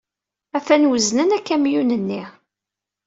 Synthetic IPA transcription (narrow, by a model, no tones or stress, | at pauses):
æfænwəznənækːæmjunənːiʁ